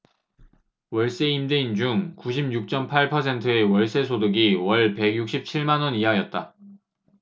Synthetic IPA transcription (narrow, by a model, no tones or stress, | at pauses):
wʌɭs͈e̞indeind͡ʑuŋkuɕ̬ʰibjuk̚t͡ɕ͈ʌmpʰaɭpʰʌs̬ʰe̞ntʰɯe̞wʌɭs͈e̞sʰodoɡiwʌɭpe̞ɡjuk̚ɕ͈ʰip̚t͡ɕʰiɭmanwʌniɦajʌt̚t͈a